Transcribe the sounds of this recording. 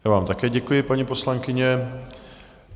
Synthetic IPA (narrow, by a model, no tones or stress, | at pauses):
jaːvaːmt̪akɛːɟɛkujɪpaɲipo̞slaŋkɪɲɛ